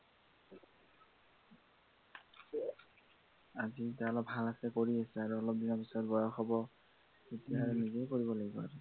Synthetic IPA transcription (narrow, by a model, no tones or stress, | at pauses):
azitaɔlɔp̚bʱalasɛkoɹiasɛaɹuɔlɔp̚dinɔpisɔtbɔjɔxɔbɔ | itiaɹɛnizejkoɹibɔlaɡibɔaɹɛ